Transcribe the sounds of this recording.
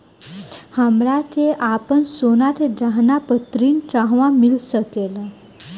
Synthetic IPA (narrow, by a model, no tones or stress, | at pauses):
həmɾat̪eʔapənsonat̪ʰed̪ɾaɦnapət̪ɾiːnʈɾaɦʋãmilsəkel